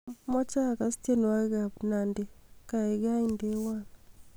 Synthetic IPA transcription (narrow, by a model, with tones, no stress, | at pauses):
mɔ˦t͡ʃa˦˨ka˨ste˦n˨wa˦ɡa˨bna˨nde˨ka˨e˨ɡa˦i˦nde˦wa˦˨n